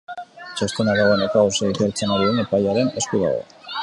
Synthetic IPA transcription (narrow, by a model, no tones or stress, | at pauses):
t͡ʃest̪enaðaɣonekaoseit̪eɾt͡senaɾienepaʎaɾe̞neskuβa̰ða̰